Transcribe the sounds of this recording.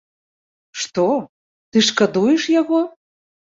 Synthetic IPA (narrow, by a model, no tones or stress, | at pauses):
ʃt̪o | t̪ɨʃkəd̪ujeʃjaɣo